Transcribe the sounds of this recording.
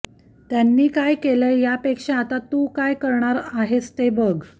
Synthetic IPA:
t̪janːiːkajkeləjjapekʂẽat̪at̪ukajkəɾɳaɾaɦest̪ebəɡ

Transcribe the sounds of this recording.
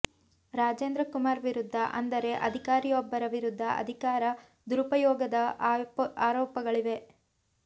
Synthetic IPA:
ɾaːd͡ʒeːnd̪ɾɐkumaːɾʋiɾud̪ʱːɐʔɐ̰nd̪ɐɾe̞ʔɐd̪ʱikaːɾijɔbːɐɾɐʋiɾud̪ʱːɐʔɐ̰d̪ʱikaːɾɐ | d̪uɾupɐjɔːɡɐd̪ɐ | aːɾɔːpɐɡɐɭiʋe̞

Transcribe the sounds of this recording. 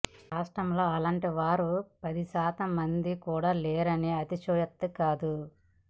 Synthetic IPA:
ɾaːʂʈɾɐmlo̞ːɐlaːɳʈiʋaːɾupɐd̪isaːt̪ɐmːɐnd̪ikuːɽaːleːɾɐneːɐt̪it͡ʃɔːjɐt̪ːukaːd̪u

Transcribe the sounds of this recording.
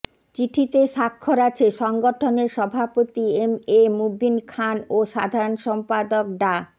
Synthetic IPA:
t͡ɕiʈʰit̪eʃakʰːoɾat͡ɕʰeʃɔŋɡoʈʰoneɾʃɔbʱapot̪iememubinkʰanoʃad̪ʱaɾonʃɔmpad̪ok̚ɖa

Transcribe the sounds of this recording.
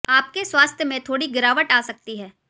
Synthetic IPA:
aːp̚keswaːst̪ʰjəmẽt̪ʰoːɽiɡɪɾaːʋəʈaːsɐk̚t̪iɦɛː

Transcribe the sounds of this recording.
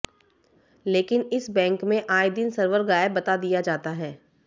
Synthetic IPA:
leːkɪnɪsbɛ̃ːŋkmẽʔaːɪd̪ɪnsəɾʋəɾɡaːjɪbːɐt̪ad̪ijad͡ʒaːt̪aɦɛː

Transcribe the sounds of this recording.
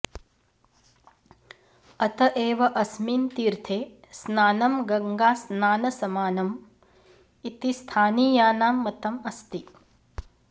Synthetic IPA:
ɐt̪ɐʔeːʋɐʔɐsmiːnt̪iːɾt̪ʰeː | snaːnɐmɡɐŋɡaːsnaːnɐsɐmaːnɐm | it̪ist̪ʰaːniːjaːnaːmːɐt̪ɐmɐst̪i

